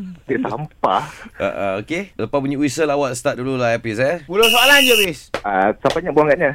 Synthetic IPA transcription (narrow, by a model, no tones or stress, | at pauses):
t̪iʔsamppa̰a̰ʔa̰okeləpap̬uɲiwisəlawatst̪at̪̚dululaapis̬abulosoaland͡ʒobɪsasapaɲaʔbuaŋɡaʔ̚ɲã